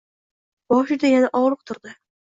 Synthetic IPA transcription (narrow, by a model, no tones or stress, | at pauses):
b̥ɒʃɪd̪ajanaʔɒʁlˠɨq̚t̪ʰʊɾd̪ɪ